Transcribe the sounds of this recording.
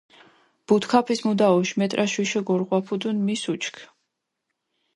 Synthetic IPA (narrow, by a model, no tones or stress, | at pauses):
b̥ut̪ʰkʰapʰismud̪aɔʃmɛt̪ʼɾʔaʃwiʃɛɡɔɾʁwapʰud̪unmisut͡ʃʰkʰ